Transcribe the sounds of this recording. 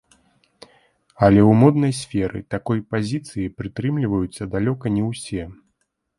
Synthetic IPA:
ɐlʲɛwmɔd̪nɐjsʲfʲɛɾɨ̰t̪akɔjpazʲit̪sɨjipɾɨt̪ɾɨmlʲivɐjut̪sʲːɐd̪alʲɔkɐnʲɛwsʲɛ

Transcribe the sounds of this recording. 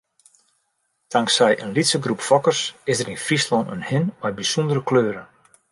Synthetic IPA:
taŋksɛjʔənlitsəɡrupfɔkərsɪsdəɾinfrislɔnə̰nhɪnɔɥ̚bisundəɾəkløːɾən

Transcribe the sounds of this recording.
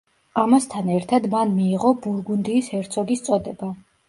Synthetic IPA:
amast̪ʰanɛɾt̪ʰad̪manmiːʁɔbuɾɡund̪iːsɛɾt̪sʰɔɡist̪sʼɔd̪ɛba

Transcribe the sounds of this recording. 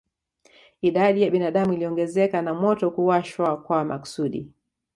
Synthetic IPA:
iɗaɗijaɓinaɗamuiliɔŋɡɛzɛkanamɔtɔkuwaʃwakwamaku̥suɗḭ

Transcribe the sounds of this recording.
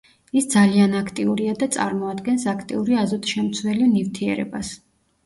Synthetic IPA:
isd̪zalianakʰt̪ʼiuɾiad̪at̪sʼa̰ɾmɔad̪ɡɛnsakʰt̪ʼḭuɾiazɔt̪ʰʼʃɛmt̪sʰwɛlinift̪ʰiɛ̰ɾɛ̰bas

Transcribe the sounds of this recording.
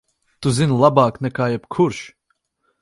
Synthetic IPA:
t̪uzinlˠabaːknɛkaːjɛb̥kʰuɾʃ

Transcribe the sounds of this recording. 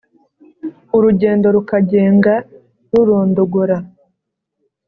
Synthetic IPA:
uɾuɟe̞ːndo̞ɾukaɟe̞ːŋɡa | ɾuɾoːndoɡuɾa

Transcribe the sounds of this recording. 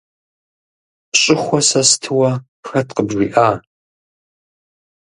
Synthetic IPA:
ɕʼɪxʷɔsɐstʰɨwɐ | xɐtqəbʒiːʔaː

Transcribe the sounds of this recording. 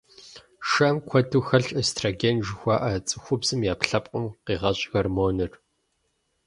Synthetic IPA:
ʃɐmkʷʰɔtʰuːxɐɬʼɐstʰraɡenʒɪxʷɑːʔɐt͡sʼɨxʷʊbz̥ɨmjaːpɬɐpʼqʷʼʊmqiːʁɐɕʼɣɐrmoːnɨr

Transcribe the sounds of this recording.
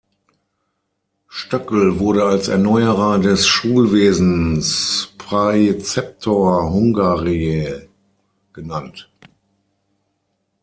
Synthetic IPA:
ʃtœkl̩vʊɐɾəalsɛ̰ɐnɔʏəʁɐdɛsʃuːlveːzn̩spʁ̥at͡sɛp̚tʰoɐɦʊŋɡaːʁie | ɡ̥ənant

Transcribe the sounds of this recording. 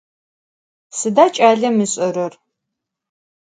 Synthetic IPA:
sɨdaːt͡ʃʼaːɮɐmɨɕʼɐɾɐr

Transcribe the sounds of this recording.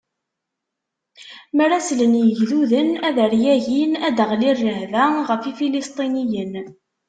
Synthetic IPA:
məɾæslənjəʝðuðənæðəɾjæʝinæd̪əʁlirːəhvæʁəfifilist̪ˤinijən

